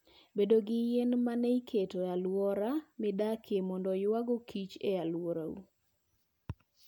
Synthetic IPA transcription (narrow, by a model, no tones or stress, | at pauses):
bedoɡɪjenmaneikʰetoalwɔɾamɪdakʰemɔndɔjwaɡokʰit͡ʃealwɔɾaṵ